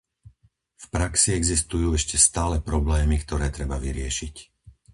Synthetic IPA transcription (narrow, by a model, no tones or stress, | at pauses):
fpɾaksiɛɡzist̪ujuːɛʃcɛst̪aːlɛpɾɔblɛːmikt̪ɔɾɛːt̪ɾɛbaʋiɾɪɛʃic